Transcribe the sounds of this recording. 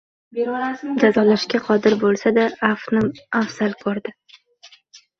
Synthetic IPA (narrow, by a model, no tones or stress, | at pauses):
d͡ʒazɒlaʃkʲaqʰɒd̪ɪɾbolˠsad̪aːfnɪmafsalˠkʰɒɾd̪ɪ